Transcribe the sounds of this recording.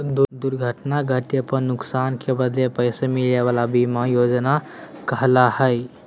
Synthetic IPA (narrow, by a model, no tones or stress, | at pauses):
d̪ud̪uɾɡʱəʈnaɡʱəʈepənːʊksankebəd̪lepəjsemileʋalabimajod͡ʒnakəɦlahəj